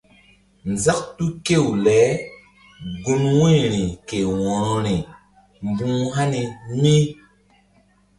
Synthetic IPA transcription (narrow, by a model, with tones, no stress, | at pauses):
n˨za˦k̚tu˦ke˦˨wlɛ˨˦ | ɡu˨nwũ˦ɾi˨ke˨wɔ˨ɾɔ˨ɾi˨ | mbũ˦ɦa˦ni˧mi˦